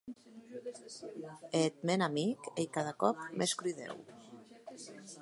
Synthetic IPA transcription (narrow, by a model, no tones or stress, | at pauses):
et̪̚menamikejkaðakɔp̚mʔeskɾyðḛw